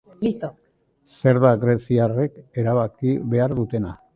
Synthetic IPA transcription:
list̪o | se̞ɾβaɣɾe̞siare̞ke̞ɾaβakiβe̞aɾðut̪e̞na

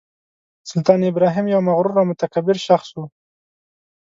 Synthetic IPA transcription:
sʊlt̪ɑnɪbɾɑɦɪmjawmaɣɾuɾawmʊt̪akabɪɾʃaxswu

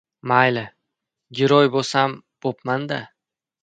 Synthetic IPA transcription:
majlɪ | ɡʲɪɾɒjbosam | b̥opmand̪a

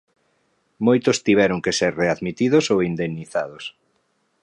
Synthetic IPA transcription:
mojt̪ost̪iβ̞ɛɾʊŋkeseɾreaðmit̪iðosowind̪ennːiθaðos

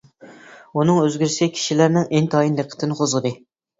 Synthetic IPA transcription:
unɨŋøzɡʲyɾsɪkʲʰi̥ʃilæɾnɪŋʔent̪ʰɑjinleqʰːə̥t̪ʰɪnɨqʰozʁəd̪ɨ

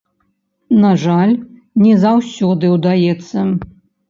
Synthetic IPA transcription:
naʐalʲ | nʲɛzawsʲɔd̪ɨwd̪ajɛt̪sːɐ

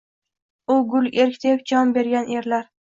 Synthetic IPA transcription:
ʊɡʊlˠe̞ɾkʲd̪ʰepd͡ʒɒmbe̞ɾɡʲaneɾlaɾ

